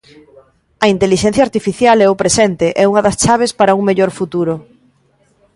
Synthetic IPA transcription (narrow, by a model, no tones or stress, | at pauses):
ɐint̪eliʃɛn̟θjaːɾt̪ifiθjalɛʊpɾesɛnt̪eʔɛuŋɐðɐst͡ʃaβ̞espaɾɐuŋmeʎoɾfut̪uɾʊ